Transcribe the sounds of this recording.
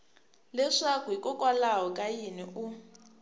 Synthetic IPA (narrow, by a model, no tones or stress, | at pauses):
lɛʂakuikʼɔkʼwalaɦɔkʼajiniʔu